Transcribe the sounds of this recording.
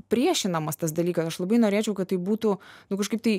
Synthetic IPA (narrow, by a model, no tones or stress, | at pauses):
pʲɾʲiɛʃʲɪnɐmɐst̪ɐsd̪ɐlʲiːkɐsɐʃlˠɐbɐɪnoːɾʲeːt͡ʃʲɛʊkɐt̪̚tɐɪbuːt̪ʊnʊkɐʃkɐɪp̚t̪ɐɪ